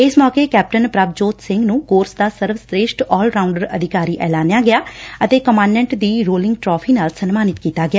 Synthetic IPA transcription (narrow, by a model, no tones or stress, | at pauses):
ɪsmɔːkeːkɛːp̚ʈənpɾabd͡ʒoːt̪sɪ̃ŋɡnũːkoːɾsd̪aːsəɾʋsɾeːʃʈɔːlɾaːʊɳɖəɾəd̪ʱɪkaːɾiːʔɛːlaːnjaːɡɪjaːət̪eːkəmãːnmɛ̃ɳʈd̪iːɾoːlɪ̃ŋɡʈɾɔːpʰiːnaːlsənmaːnɪt̪kiːt̪aːɡɪjaː